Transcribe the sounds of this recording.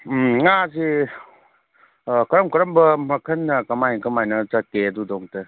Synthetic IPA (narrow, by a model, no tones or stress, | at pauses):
ŋazi | kɐɾɐmkɐɾɐmbɐmɐkʰɐnːɐkɐmajkɐmajnɐzak̚ːeɐdudɔŋte